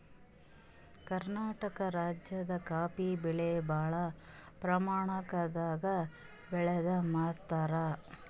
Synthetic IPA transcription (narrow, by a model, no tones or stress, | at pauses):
kɐɾnaːʈɐkɐɾaːd͡ʒjɐd̪ɐkaːpibiɭebaːɭɐpɾɐmaːɳɐkɐd̪aːɡɐ | bɛɭɛd̪ɐmaːt̪ːaɾa